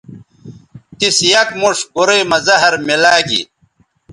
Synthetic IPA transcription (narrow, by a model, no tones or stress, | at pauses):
t̪isjɐkmuʂɡuɾeːmɐzɐɦɐɾmilaːɡḭ